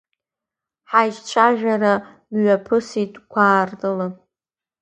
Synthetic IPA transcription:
ħajʒt͡ʃʷʰaʒᶣaɾa | mɥapʰɨsitʼkʷʰaːrdɨla

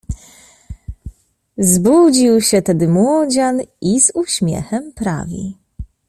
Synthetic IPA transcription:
zbud͡ʑiwɕɛt̪ɛd̪ɘmwɔd͡ʑanizuɕmʲjɛ̰xɛmpɾa̰vʲḭ

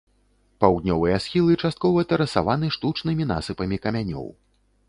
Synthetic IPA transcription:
pawd̪ʲnʲɔvɨjɐsxʲilˠɨt͡ʂast̪̚kɔvɐt̪ɐɾɐsa̰vanɨʂt̪ut͡ʂnɨmʲin̪a̰sɨpɐmʲikɐmʲanʲɔ̰w

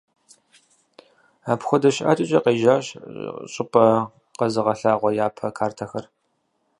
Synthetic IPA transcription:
aːpxʷɔdɐʃʔa̰ːtʼɪt͡ʃʼɐqeːʒaːɕɕʼɪpʼɐ | qɐzɨʁɐɬaːʁʷɔjaːpʰɐkʰaːrtʰɐxɐr

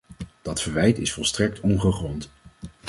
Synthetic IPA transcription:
d̥ɑtfəɹʋɛjtɪsfɔlˠstrɛk̚tʰɔnχəχrɔnt

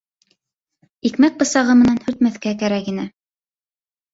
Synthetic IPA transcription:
ikmæk̚bɤ̆sɑʁɤmɘ̆nænhɵ̆ɾt̪̚mæθkækæɾækinɘ

